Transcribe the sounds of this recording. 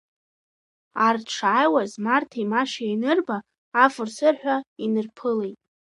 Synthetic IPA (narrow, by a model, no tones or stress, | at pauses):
arʈ͡ʂʰajwazmartʰamaʃajnɨrbaː | fɨrsɨrħʷᶣainɨrpʰɨlejtʼ